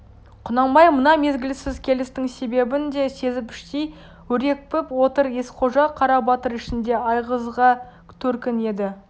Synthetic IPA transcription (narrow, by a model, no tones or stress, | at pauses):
qʰʊnɑɴmɑjmənɑme̞zɡʲɪlɪsɪzkʲʰe̞lɪst̪ɪŋse̞be̞bɪnd̪e̞se̞zɪpɪ̥ʃt̪ej | wɵɾe̞k̚pɪpwo̞t̪əɾe̞sqʰo̞ʒɑqʰɑɾɑbɑt̪əɾɪʃɪnd̪e̞ɑjʁəzʁɑ | t̪ʰɵɾkʲɪne̞d̪ɪ